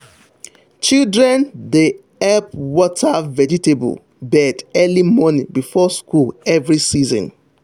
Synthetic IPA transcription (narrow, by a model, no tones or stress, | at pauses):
t͡ʃildɹɛ̃nde | ɛp̚wɔtavɛd͡ʒitebṵl | bɛdɛlimɔnĩŋbifɔskulɛvɾisizɔ̰̃n